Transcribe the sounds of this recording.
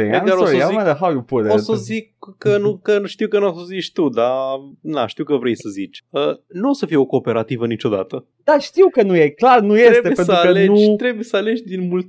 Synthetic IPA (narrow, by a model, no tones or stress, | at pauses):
ejd̪aɾoomad̪əɦawjupud̪osozikːənukəʃt̪iwkənuosozit͡ʃʲt̪ud̪anaʃt̪iwkəvɾe̞jsəzit͡ʃʲənuo̞səfijeo̞ko̞ːpe̞ɾat̪ivənit͡ʃo̞d̪a̰t̪ə | d̪̥aʃt̪iwkənujeklarnujesɾeb̪teujeensəɾaəlleut̪ɾe̞bujesəale̞d͡ʒʲd̪inmult̪